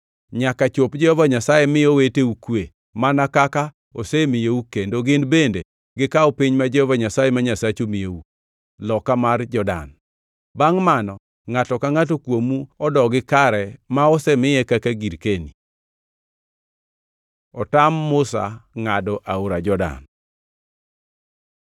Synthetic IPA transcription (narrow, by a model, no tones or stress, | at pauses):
ɲakat͡ʃopd͡ʒɔɔvaɲasajɛmɪoweteukwe | manakaka | osemɪjeukendoɡɪnbende | ɡɪkaɔpiɲmad͡ʒɔvaɲasajemaɲasat͡ʃomɪjeu | lɔkamard͡ʒɔda̰n | baŋmanɔ | ŋatɔkaŋat̬okwomuɔdɔɡɪkaɾɛmaɔsɛmɪjɛkakaɡiɾkeni | ɔtamːʊsa̰ŋadɔʔaoɾad͡ʒɔda̰n